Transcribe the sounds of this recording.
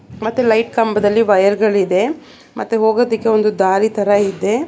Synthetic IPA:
mɐt̪ːulɐjʈkɐmbɐd̪ɐlːiʋɐjɐɾɡɐɭid̪e̞ | mɐ̰t̪ːuɦoːɡoːd̪ikːe̞o̞nd̪ud̪aːɾit̪ʰɐɾɐid̪ːe̞

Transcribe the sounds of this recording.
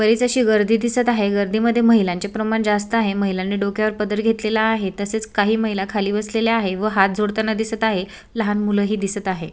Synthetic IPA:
bəɾit͡səɕiːɡəɾd̪ʱiːd̪isət̪aɦeɡəɾd̪iːməd̪ʱːjeməɦilãɲt͡ɕepɾəmaɳd͡zas̬t̪əaɦeməɦilanːiːɖokjaʋəɾpəd̪əɾɡʱet̪lelaːɦet̪əset͡skaɦiːməɦilakʰaliːbəsleljaɦeʋəɦat̪̚d͡zʱoɽt̪ənad̪isət̪aɦe | ləɦanmuləːɦiːd̪isət̪aɦe

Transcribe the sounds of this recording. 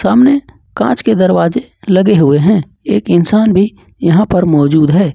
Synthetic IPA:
saːmne | kã̰ːt͡ʃked̪əɾwaːzeləɡeɦʊeɦɛ̃ | eːkɪnsaːnbʱi | jəɦãpəɾmɔːd͡ʒuːd̪ɦɛː

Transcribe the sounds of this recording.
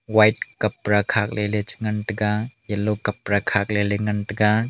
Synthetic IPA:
wajt̚kɐpɾakʰak̚lʔelet͡ʃŋɐnʈɡajɐlokɐpɾakʰak̚leleŋɐnʈɡa

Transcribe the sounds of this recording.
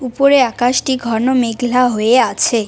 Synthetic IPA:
upoɾeakaʃʈiɡʱɔɾnomeɡlaɦoeat͡ɕʰe

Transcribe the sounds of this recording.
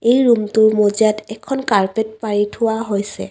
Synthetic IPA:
ejɹumtʊɹmoziatɛkʰːɔnkaɹpet̚paɹitʰʊwaɦojsɛ̰

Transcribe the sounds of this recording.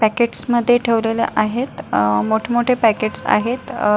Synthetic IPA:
pækeʈsməd̪ʱːjeʈʰeʋlelḛʔaɦet̪moʈʰemoʈʰepækeʈsa̰ɦet̪

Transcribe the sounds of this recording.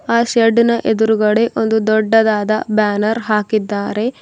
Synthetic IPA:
aːʃɐɖinɐʔed̪uɾuɡɐɭe̞ʔond̪ud̪ɔɖːɐd̪aːd̪ɐbaːnɐɾɦaːkid̪ːaːɾe̞

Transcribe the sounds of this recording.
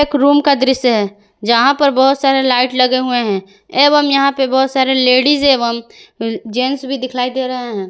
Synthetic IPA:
eːkɾuːmkad̪ɾɪsɦɛː | d͡ʒɐɦãpɐɾbɐɦʊt̪saːɾelaːɪʈlɐɡeɦueɦɛ̃ | eːbəmjɐɦãpebɐɦʊt̪saːɾeleːɽizeːbəm | d͡ʒeːnsbʱid̪ɪkʰlaːid̪eːɾɐɦeɦɛ̃ː

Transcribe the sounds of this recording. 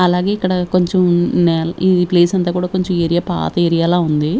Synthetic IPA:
ɐlaːɡeːikːɐɽɐko̞ɲt͡ʃɐmnɛlid̪ipleːsɐnt̪aːkuːɽaːko̞ɲt͡ʃɐmeɾijaːpa̰ːt̪ɐeɾijaːlaːund̪i

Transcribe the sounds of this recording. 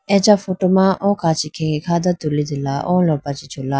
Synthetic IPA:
ɛt͡ʃafoʈomãʔɔ̃kat͡ʃʰikʰɛ̃ŋikʰad̪at̪ulid̪ɪlaʔɔ̃lɔpat͡ʃʰit͡ʃʰola

